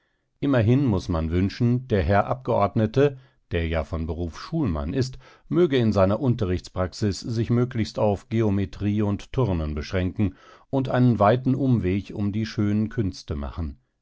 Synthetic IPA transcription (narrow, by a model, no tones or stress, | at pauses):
ʔɪmɐɦɪnmʊsmanvʏnʃn̩d̥eːɐɦɛɐʔap̚ɡ̥əʔɔɐdnətə | d̥eːɐjaːfɔnbəʁuːfʃuːlma̰nʔɪst | møːɡəɪnzaɪnɐʔʊntɐʁɪçt͡spʁ̥aksɪszɪçmøːklɪçstaʊfɡ̥eometʁ̥iːʊnttʰʊʁnənbəʃʁ̥ɛŋkŋ̩ʔʊntʔaɪnənvaɪtn̩ʔʊmveːçʊ̰mdiːʃøːnənkʰʏnstəma̰χn̩